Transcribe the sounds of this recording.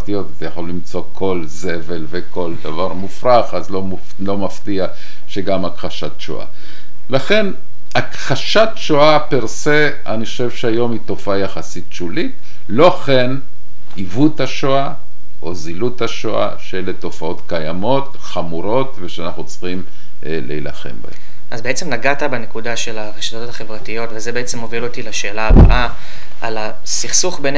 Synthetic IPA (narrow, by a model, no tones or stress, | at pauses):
tijo̞t̪atajaχo̞lːimt͡so̞kʰo̞lze̞ve̞lveko̞ld̪avaʁmufʁaχazlo | lo̞maftia | ʃe̞ɡamakʁaʃatʃo̰ʔa̰ | laχe̞n | akχaʃatʃoapiʁse̞ | aniχoʃevʃeajo̞mito̞faajaχasit̚ʃulit | lo̞χen | ivuthaʃoa | ʔo̞ziluthaʃoa̰ʃeleto̞fao̞tkajamo̞t | χamuɾo̞tveʃeanaχnut͡sχim | lḛila̰χe̞̰mba̰hḛm | ʔazbeet͡semlaɡatabene̞kudaʃe̞laʁeʃḁt̪otaχe̞vʁatijo̞tvezebeet͡semovilot̪ilaʃe̞ːlaːbo̰na | ʔala | siχsuχben